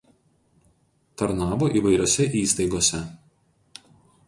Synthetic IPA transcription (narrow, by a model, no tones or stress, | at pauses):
t̪ɐɾnɑːboʔiːˑʋɐɪɾʲoːsʲɛʔiːst̪ɐɪɡoːsʲɛ